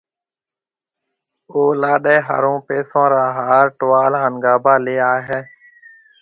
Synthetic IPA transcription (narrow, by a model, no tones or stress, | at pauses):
oːlaːɗeːɦa̰ːɾõːpeːsõːɾãːɦaːɾʈʊʋaːlənɡaːbaːleːaːɦeː